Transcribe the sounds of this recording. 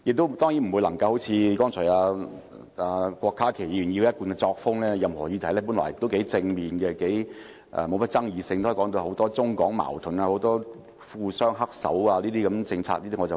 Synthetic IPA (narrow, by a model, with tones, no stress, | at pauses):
jɪ˨k̚t̪o˥wt̪ɔː˥ŋji˨˥m̩˨˩wu˨˧jlɐ˨˩ŋkɐ˧who˨˥wt͡sʰiː˨˧kɔː˥ŋt͡sʰɔː˨˩jaː˧ | aː˧kʷɔː˧kʰːaː˥kʰe˨˩jiː˨˧jy˨˩ji˧kɐ˥t̚kuː˧nkɛ˧t͡sɔː˧k̚fʊ˥ŋlɛː˥jɐ˨˧mhɔː˨˩jiː˨˧t̪ʰɐ˨˩jlɛː˥puː˨˥nlɔ̰ː˨˩jɪ̰˨kt̪o˥wke˨˧˥jt͡sɪ˧ŋmiː˨˩nkɛ˧ke˨˥j | ʔɛ̰˨˧mo˨˧wmɐ˥t̚t͡sɐ˥ŋjiː˨˧sɪ˧ŋt̪ːkɔː˨˥ŋt̪o˧ho˨˥wt̪ɔː˥t͡sʊ˥ŋkɔː˨˥ŋma̰ː˨˩wt̪ʰʊ˨˩naː˧ho˨˥wt̪ɔː˥ | fuː˧sœː˥ŋɦɐ˥k̚sɐ̰˨˥waː˧liː˥t̪iː˥kɐ˨˥mt͡sɪ˧ŋt͡sʰa̰ː˧k̚liː˥t̪i˥ŋːɔ˨˧t͡s